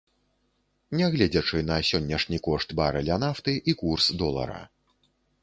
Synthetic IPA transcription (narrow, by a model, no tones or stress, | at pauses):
nʲɛɣlʲɛd͡zʲɐt͡ʂɨnɐsʲɔnʲːɐʂnʲikɔʂt̪baɾɨlʲanaft̪ɨʔikursd̪ɔlˠɐ̰ɾɐ̰